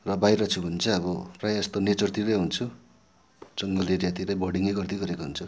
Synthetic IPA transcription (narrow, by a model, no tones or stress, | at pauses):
rʌbajɾʌt͡sʰubʱʌnt͡sʰʌʌβʌprajʌst̪onet͡sʌrt̪iɾʌjɦunt͡sʰu | d͡zʌŋɡʌleɾijat̪ilajbʌɽiŋeɡʌrt̪iɡʌɾekoɦunt͡sʰu